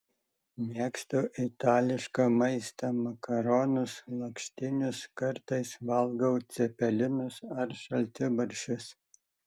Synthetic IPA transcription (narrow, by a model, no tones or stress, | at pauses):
mʲiɛkst̪oːʔɪt̪ɑːlʲɪʃkɑːmɐɪst̪ɐmɐkɐɾoːnʊslˠɐkʃʲt̪ʲɪnʲʊskɐɾt̪ɐɪsʋɐlˠɡɐʊt̪sʲɛpʲɛlʲɪnʊsɐɾʃɐlʲt̪ʲɪbɐɾʲʃʲʊs